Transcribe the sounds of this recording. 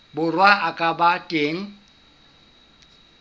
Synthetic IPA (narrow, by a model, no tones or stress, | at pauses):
bʊrwaakʼabatʼeːŋ̩